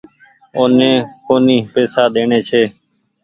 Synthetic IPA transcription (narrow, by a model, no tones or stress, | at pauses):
oːnẽːkoːniːpeːsaːd̪eːɳeːt͡ʃʰeː